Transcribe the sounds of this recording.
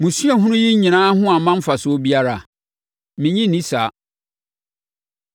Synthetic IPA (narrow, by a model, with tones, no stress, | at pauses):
mũ˨su˦a˨ɦʊ̃˦ʊ̃˦ji˦ɲĩ˨nãː˦hʊ̃˦a˨mã˦m̩˦fa˨sʊ˨˦bi˦a˦ɾa˨ | mɪ̃˨ɲĩ˦nĩ˦sa˨˦